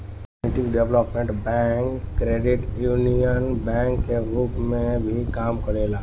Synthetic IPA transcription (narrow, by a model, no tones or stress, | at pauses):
ɪʈɪkɖɛʋləpmẽɳʈbɛ̃ːŋkːɾeːɖɪʈjuːnijənbɛ̃ːŋkːeɾupmẽbʱikaːmkəɽeːlaː